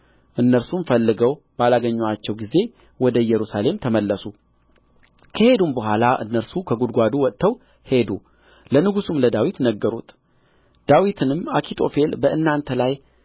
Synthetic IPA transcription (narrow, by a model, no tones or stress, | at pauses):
ʔɨnːəɾsumfəlːɨɡəw | balaɡəɲːwat͡ʃːɛwɡize̞ | wɔd̪əjɛɾusale̞mt̪ʰəməlːəsu | kʰəhe̞d̪umbəɦʷalaʔɨ̰nːəɾsukʰəɡud̪ɡʷad̪uwɔt̪ʼt̪ʰːəw | he̞d̪u | lənɨɡusumləd̪awit̪nəɡːəɾṵt̪ʰʼ | d̪̥awit̪ʰɨnɨmːakʰit̪ʰo̞̰fe̞lbəʔɨnːant̪ʰəlaj